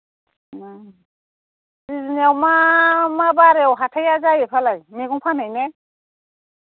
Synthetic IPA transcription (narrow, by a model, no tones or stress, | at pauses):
siziniawmamabaɾeawɦatʰajazajepʰalajmieɡuŋpʰanajne